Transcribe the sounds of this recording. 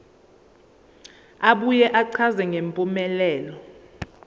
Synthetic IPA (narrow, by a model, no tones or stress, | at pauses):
aɓujɛʔaǀʰazɛŋɡʱempʼumɛlɛːlɔ